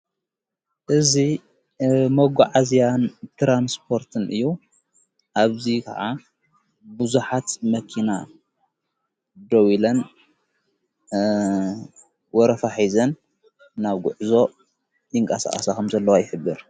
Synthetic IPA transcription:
ʔɨzi | mɐɡuʕazijant̪ʰɾanspʰo̞ɾt̪ʰɨnʔɨjːu | ʔaβzikʰɐ̰ʕa | bɨzuħat̪mɐkʰina | d̪owilɐn | wɔɾɐfaħizɐnː | aβɡʊʕzo̞ | jɪŋkʼɐsa̰χʼɐsakʰɐmzɐlːɐwajɪħɨbːɨɾ

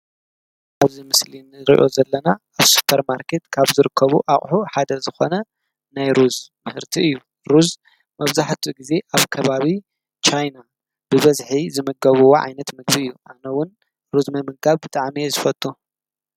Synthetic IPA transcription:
ʔaβzimɨslinɨɾḭʔo̞zɐlːɐna | aβsu̥pʰɐɾmaɾkʰe̞t̪kʰaβzɨɾɨkʰːɐβuʔaχʼħuħad̪ɐzɨxo̞nɐ | najɾuzmɨhɨɾt̪ʰiɨjːu | ɾuz | mɐβzaħt̪ʰiɡize̞ʔaβkʰɐβaβi | t͡ʃajna | b̥ɨβɐzħizɨmɨɡɐβuwoʕa̰jnɐt̪mɨɡbiɨjːuʔanɐwʊn | ɾuzmɐmɨɡaβbɨt̪ʼaʕmizɨfɐt̪ʼːu

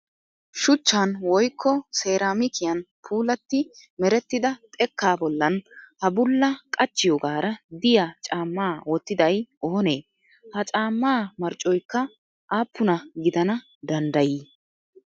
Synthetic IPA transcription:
ʃʊt͡ʃːanwɔjkʰːɔseːɾaːmɪkɪjɐn | pʰuːlɐt̪ːɪmɛɾɛt̪ːɪd̪ɐt̪ʼɛkːaːbɔlːɐnhɐbʊlːɐkʼɐt͡ʃːɪjɔɡaːɾɐd̪ɪjat͡ʃʼaːmːaːwɔt̪ːɪd̪ɐjɔhɔneː | hɐt͡ʃʼaːmːaːmɐɾt͡ʃʼːɔjkːɐ | ʔaːpːʊnɐɡɪd̪ɐnɐ | d̪ɐnd̪ɐjiː

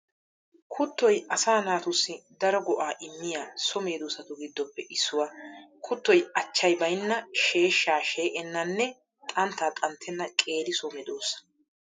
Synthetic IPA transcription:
kʰʊt̪ːɔjʔɐsaːnaːt̪ʊsːɪd̪ɐɾɔɡɔʔaːʔɪmːɪjaːsɔme̞ːd̪oːsɐt̪ʊɡɪd̪ːɔpːɛʔɪsːʊwaːkʰʊt̪ːɔjɐt͡ʃːɐjbɐjnːɐʃeːʃːaːʃe̞ːʔɛnːɐnːɛ | t̪ʼɐnt̪ːaːt̪ʼɐnt̪ʰːɛnːɐkʼe̞ːd̪ɪsɔmɛd̪oːsɐ̥

